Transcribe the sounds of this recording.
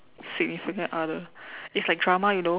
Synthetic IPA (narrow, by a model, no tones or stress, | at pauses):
sɪɡ̚nifikə̃nadəɪtslaɪk̚dɹamajuno